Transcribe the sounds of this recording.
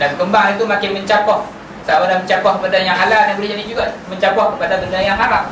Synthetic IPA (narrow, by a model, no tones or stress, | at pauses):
dankəmbaŋit̪umakɪnməɲt͡ʃapɔh | saapadaməɲt͡ʃapɔh̚kəpadajaŋɦaladaŋbulid͡ʒadid͡ʒuɡaməɲt͡ʃapɔhkəpadabəndajaŋaɾa